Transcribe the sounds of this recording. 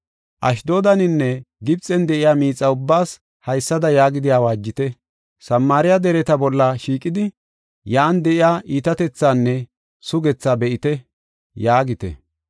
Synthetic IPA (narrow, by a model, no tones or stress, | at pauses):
ʔɐʃd̪o̞ːd̪ɐnɪnːɛɡɪbt͡sʼːɛnd̪ɛʔɪjaːmiːt͡sʼːɐʊbːaːs | hɐjsːɐd̪ɐjaːɡɪd̪ɪjaːwaːd͡ʒːɪt̪ɛ | sɐmːaːɾɪjad̪ɛɾɛt̪ɐbɔlːɐʃiːkʼːɪd̪ɪ | jaːnd̪ɛʔɪjaːʔiːt̪ɐt̪ɛt͡sːaːnːɛ | sʊɡɛt͡sːabɛʔɪt̪ɛ | jaːɡɪt̪ɛ̰